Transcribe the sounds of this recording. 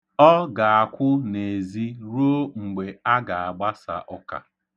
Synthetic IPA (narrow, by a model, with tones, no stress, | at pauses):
ɔ˦ɡa˨a˨kʷʊ˦ne˨zi˦ɾo˦ŋ͡m̩˨ɡ͡be˨a˦ɡa˨a˨ɡ͡ba˦sa̰˨ʔɔ˦ka̰˨